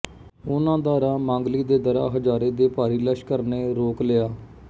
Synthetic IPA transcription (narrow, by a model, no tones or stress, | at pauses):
ʊnãːd̪aːɾaːmãːŋɡliːd̪eːd̪əɾa̰ːɦəd͡ʒaːɾeːd̪eːpaːɾiːləʃkəɾneːɾoːkleːaː